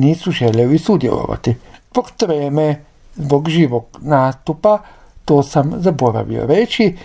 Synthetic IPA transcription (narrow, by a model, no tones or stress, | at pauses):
niːsuʒelelisud̪jḛlˠo̰ʋa̰t̪izbokt̪ɾeːme | zboɡʒiːʋoɡnaːst̪upa | t̪oːsamzaboɾa̰ʋḭo̰ɾet͡ʃi